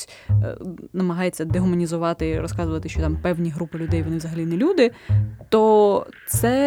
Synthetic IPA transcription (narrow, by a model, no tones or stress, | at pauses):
nɐmɐɦɑjet͡sʲːɐd̪eɦʊmɐnʲizʊʋɑt̪ɪɾɔskɑzʊʋɐt̪ɪʃt͡ʃɔt̪ɑmpɛwnʲiɦɾupɪlʲʊd̪ɛjʋɔnɪʋzɐɦɐlʲinɛlʲud̪ɪt̪ɔt̪sɛ